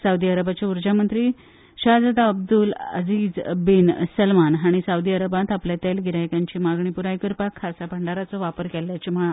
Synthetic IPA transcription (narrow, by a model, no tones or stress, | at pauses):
sawd̪iaɾəbat͡ɕauɾd͡ʑamənt̪ɾiː | ɕad͡zad̪aəb̚d̪ulə̰d͡ziːd͡zbinsəlmanɦaɽ̃isaud̪iəɾəbãt̪apljat̪elɡʱiɾajkaɲt͡ɕiːmaɡɳipuɾajkəɾpakʰːasapʰəɳɖaɾat͡sɔʋapəɾkɛljat͡ɕim̤əɭa